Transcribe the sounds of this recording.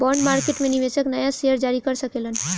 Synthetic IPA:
bɔɾɳɖmaɾkeʈmenibet͡ʃəknəjasejəɾd͡ʒaɾikəɾsəkelən

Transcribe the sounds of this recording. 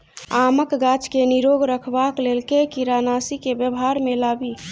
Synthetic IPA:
aməkɡat͡ʃkeniɾoɡɾəkʰbaklelkekiɾanasikebjəbɦaɾmelabi

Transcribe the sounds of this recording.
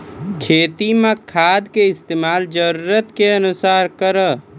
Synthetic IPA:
kʰeːt̪imekʰad̪keɪst̪eːmaːld͡ʒəɾuɾət̪keənusaɾkəɾə

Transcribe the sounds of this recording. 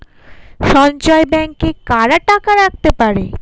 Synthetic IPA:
ʃɔnt͡ɕɔebɛŋkekaɾaʈakaɾak̚t̪epaɾe

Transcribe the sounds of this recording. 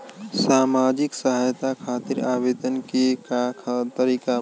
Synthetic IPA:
saːmad͡ʒiksəɦajt̪akʰat̪iɾabed̪ənkekakʰt̪əɾika

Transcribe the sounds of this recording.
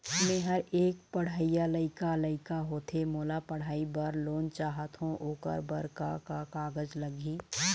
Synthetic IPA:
mẽɦəɾeːk̚pəɽ̤əɪjaləɪkaləɪkaɦoːt̪ʰemoːlapəɽ̤aːibəɾloːnt͡ʃaːɦət̪ɦõʔoːkə̰ɾbəɾkakakaːɡəd͡ʒləɡiː

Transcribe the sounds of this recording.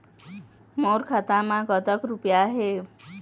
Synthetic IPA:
mɔwɾkʰat̪amãɡʌt̪əkɾupjaɦe

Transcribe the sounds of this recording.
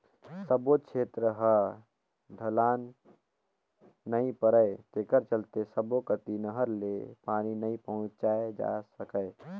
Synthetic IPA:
səbot͡ʃʰet̪ɾəɦə | ɖʱəlaːn | əĩpəɾəɪt̪ekəɾt͡ʃəlt̪esəbokət̪inəɦəɾlepaninəĩpəɦʊ̃t͡ʃt͡ʃaed͡ʒa̰səkəɪ

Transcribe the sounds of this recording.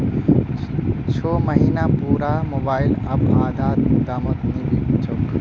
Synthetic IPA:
t͡ʃʰoːmɐɦiːnapuːɾamoːbaːɪlɐbaːd̪aːd̪d̪aːmɐt̪nibit͡ʃʰok

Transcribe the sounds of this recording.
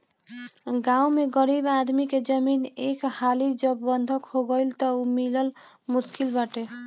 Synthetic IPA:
ɡãumeɡəɾibad̪miked͡ʒəminekhalid͡ʒəbːənd̪ʱəkɦoɡəɪlt̪ɔumiləl | muskilbaʈe

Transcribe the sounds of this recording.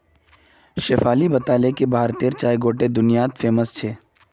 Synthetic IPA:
ʃefaːlibɐt̪aːlekebʱaːɾt̪iəɾt͡ʃaːjɡoːʈed̪ʊnijaːt̪feːməst͡ʃʰeː

